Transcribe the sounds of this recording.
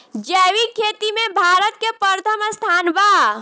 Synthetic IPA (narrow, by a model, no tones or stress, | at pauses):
d͡ʒəwikʰet̪imebʱaɾət̪̚kepəɾt̪ʰəməst̪ʰanba